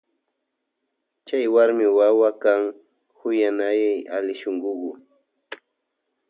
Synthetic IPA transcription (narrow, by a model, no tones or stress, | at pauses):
t͡ʃajwaɾmɪwawakaŋ | hʊjanajajalɪʃoŋɢʊɢʊ